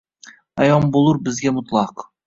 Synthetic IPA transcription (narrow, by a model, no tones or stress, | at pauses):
ajɒmbolˠʊɾbɪzɡʲamʊt̪lˠɑq